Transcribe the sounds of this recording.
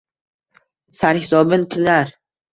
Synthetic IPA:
saɾhɪsɒbɪnkʲʰɪnaɾ

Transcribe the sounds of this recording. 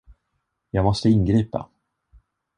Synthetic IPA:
jɑːɡmɔst̪əɪnɡɾiːpa̰

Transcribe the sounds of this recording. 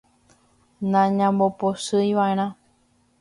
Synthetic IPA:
nãɲãmboposɨjʋaʔeɾ̃ã

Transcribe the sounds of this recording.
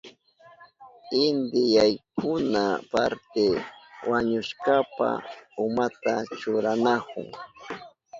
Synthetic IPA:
ɪnd̪ɪjajkʊnapaɾt̪ɪwaɲʊʃkapa̰ʊmat̪at͡ʃʊɾanakʊ̰ŋ

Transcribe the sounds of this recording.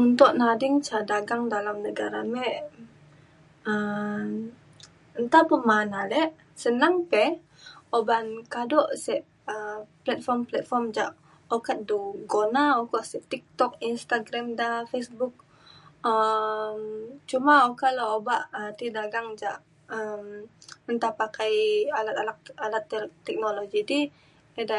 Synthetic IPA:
unt̪ɔʔnadiŋt͡ʃadaɡaŋdalamnəɡaɾamɛʔ | ə | ənt̪apəmanalɛʔ | sənaŋpɛ | obankadɔʔsɛʔ | əplɛt̪̚fɔrmplɛt̪̚fɔrmd͡ʒaʔ | okat̪̚duɡonaokɔʔsɛʔt̪ik̚t̪ɔk̚inst̪aɡɾamdafesbuk̚ | əmt͡ʃumaokaloobaʔət̪idaɡaŋd͡ʒaʔ | əmənt̪apakajalat̪alakalat̪ːɛk̚noloɡidi | ɛda

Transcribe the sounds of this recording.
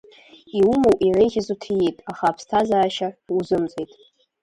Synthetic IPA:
iumowʔʼirejɣʲɪzutʰijitʼaχapʰstʰazaːʃauzɨmt͡sʼejtʼ

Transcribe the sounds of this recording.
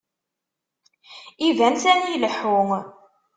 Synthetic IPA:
ivænθænjiləħːuŋ

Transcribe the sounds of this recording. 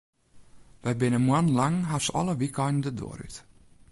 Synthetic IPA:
ʋɛjbɪnəmwanlaŋɦasɔ̰lˠəʋikʰɛjnn̩dədo̰ːɾy̰t

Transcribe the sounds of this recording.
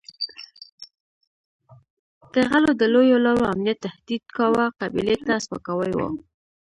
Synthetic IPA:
k̪əɣalod̪əlojolaɾoamnjat̪ːahd̪id̪kawaqabḭlet̪aspa̰kawəjwo̰

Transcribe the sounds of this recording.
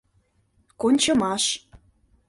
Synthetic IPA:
konʲt͡ɕə̆mɑʃ

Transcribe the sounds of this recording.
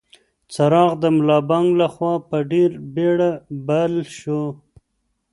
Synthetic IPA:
t͡saɾɑɣd̪əmʊlɑbɑŋɡlaxwɑpəɖeɾbeɽabalʃo

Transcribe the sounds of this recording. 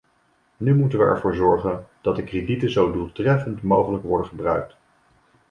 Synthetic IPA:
nymutənʋəɛ̰ɹvʊːɹzɔɹχənd̥ɑt̚dəkreditənzowdulˠtrɛfəntmowχələkʋɔɹdəχəbrœɥk̚t

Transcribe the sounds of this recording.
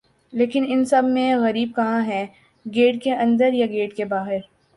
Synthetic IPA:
leːkɪnɪnsɐbʱmẽɣɐɾiːb̚kɐɦãɦɛː | ɡeːʈkeʔɐ̃nd̪əɾjaɡeːʈkebaːɦɪɾ

